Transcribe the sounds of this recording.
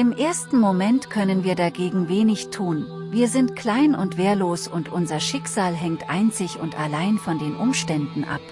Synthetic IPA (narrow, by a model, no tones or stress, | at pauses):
ʔɪmʔeːɐstn̩momɛntkʰœnənviːɐdaɡeːɡŋ̩veːnɪçtʰuːn | viːɐzɪntkʰl̥aɪnʊntv̥eːɐloːsʊntʔʊnzɐʃɪkz̥aːlɦɛŋtʔaɪnt͡sɪçʊntalaɪnfɔndeːnʔʊmʃtɛndn̩ʔa̰p